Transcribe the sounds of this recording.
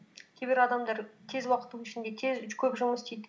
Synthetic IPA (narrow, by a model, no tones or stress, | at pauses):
kʲʰebɪɾɑd̪ɑmd̪ɑɾt̪ʰe̞zwɑqə̥t̪ːuwɪʃɪnd̪e̞t̪ʰezkʲʰɵpʒʊməst̪ejd̪ɪ